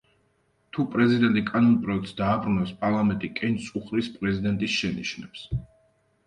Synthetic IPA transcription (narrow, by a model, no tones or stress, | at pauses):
t̪ʰupʼɾɛzid̪ɛnt̪ʼikʼanɔnpʼɾɔɛk̚ʰt̪sd̪aːbɾunɛspʼaɾlˠamɛnt̪ʼikʼɛnt̪sʼuχɾispʼɾɛzid̪ɛnt̪ʼisʃɛniʃnɛps